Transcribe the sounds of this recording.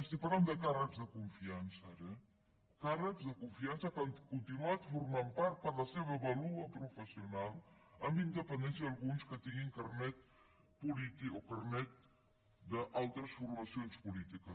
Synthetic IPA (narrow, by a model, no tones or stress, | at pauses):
əst̪ipɐɾland̪əkarəkzðəkuɱfiansəɾɛ | karəkzðəkuɱfiansəkənkunt̪inuat̪fuɾmampaɾt̪̚pəɾlɐseβəβɐluɐpɾufəsiunalˠɐmbind̪əpənd̪ɛnsjɐd̪ɐlˠɣunskət̪iŋiŋkɐrnɛt̪̚ | pulit̪iokɐɾnɛt̪̚ | d̪əʔalˠt̪ɾəsfuɾmɐsionspulit̪ikə